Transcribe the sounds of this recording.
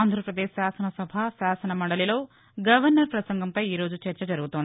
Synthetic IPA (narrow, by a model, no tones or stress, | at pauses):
aːnd̪ʱɾɐpɾɐd̪e̞ːʃːaːsɐnɐsɐbʱaːsaːsɐnɐmɐɳɽɐlilo̞ː | ɡɐʋɐɾnɐɾpɾɐsɐŋɡɐmpɐjiːɾo̞ːd͡ʒut͡ʃɛɾt͡ʃɐd͡ʒɐɾuɡut̪oni